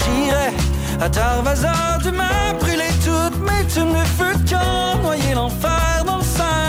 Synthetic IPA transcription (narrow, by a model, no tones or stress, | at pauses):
kiʁɛ | at̪aʁvaza | ʁd̪ymabʁylet̪ut̪mɛt̪umləfykɔ̃ | nwajelɑ̃fɛʁd̪ɑ̃lsɛ̃